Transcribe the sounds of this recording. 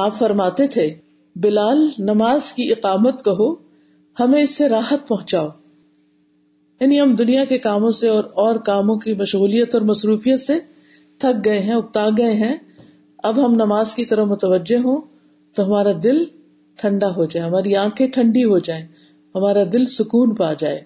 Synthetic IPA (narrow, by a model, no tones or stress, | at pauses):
aːpfɐɾmaːt̪et̪ʰe | bɪlaːlnɐmaːzkiɪqaːmət̪kɐɦo | hɐmẽɪsːeɾaːɦət̪̚pɐɦʊ̃t͡ʃaːoː | jaːniɦɐmd̪ʊnijakekaːmõseɔːɾɔːɾkaːmõkimɐʃɣuːlijət̪ɔːɾmɐsɾuːfijət̪se | t̪ʰɐk̚ɡɐeɦɛ̃ʊk̚t̪aːɡɐeɦɛ̃ | ɐbɦɐmnɐmaːzkit̪ɐɾəfmʊt̪əʋəd͡ʒːeɦõ | t̪oɦɐmaːɾad̪ɪl | ʈʰɐ̃ɳɖaɦod͡ʒaːeɦɐmaːɾiãːkʰẽʈʰɐ̃ɳɖiɦod͡ʒaːẽː | hɐmaːɾad̪ɪlsʊkuːnpaːd͡ʒaːeː